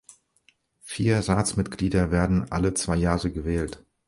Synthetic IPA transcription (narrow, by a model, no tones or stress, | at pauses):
fiːɐʁaːt͡smɪtɡ̥liːdɐveːɐdn̩ʔa̰lət͡sv̥aɪjaːʁəɡəvɛːlt